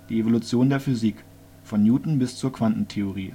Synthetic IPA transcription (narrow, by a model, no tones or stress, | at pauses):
d̥iːevolʊt͡sjoːndeːɐfyziːk | fɔnjuːtn̩bɪst͡suːɐkv̥antn̩tʰeoʁiː